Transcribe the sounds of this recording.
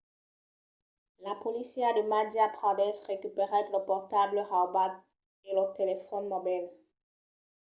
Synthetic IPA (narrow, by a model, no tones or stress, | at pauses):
lapɔlisjad̪əmad̪japχãd̪ɛsʁekypeʁɛ̃t̪ləpɔʁt̪abləʁabad | eləʁt̪elefɔnmɔbɛl